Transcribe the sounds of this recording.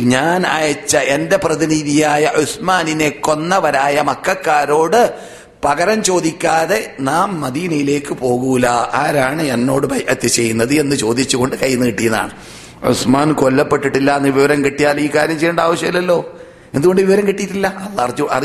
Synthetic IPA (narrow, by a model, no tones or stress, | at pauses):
ɲaːna̰ːjɐt͡ɕːɐe̞nde̞prɐðiniːðijaːjɐʔusmaːnine̞kːo̞nːɐʋɐɾaːjɐmɐkːɐkːaːɾo̞ːɽɨ | pɐɣɐɾɐmt͡ɕo̞ːd̪ikʲːaːðe̞naːmːɐd̪iːnɐjile̞ːkːɨpo̞ːɣulaʔaːɾaːɳɨenːo̞ːɽɨbʱɐjʔɐt̪ːɐt͡ɕe̞jːunːɐðɨenːɨt͡ɕo̞ːd̪it͡ɕːuɣo̞ɳɖɨkɐjːunːɨkiʈːijɐnːða̰ːɳɨ | ʔṵsmaːnkolːɐpːe̞ʈːiʈːilːɐɐnːɨʋiʋɐɾɐmkiʈːijaːliːkaːɾjɐmt͡ɕejːuɳɖaːʋɐɕjɐɐlɐlːo̞ː | end̪uɣo̞ɳɖɨʋiʋɐɾɐmkiʈːijiʈːilːɐɐlːrɐ̰r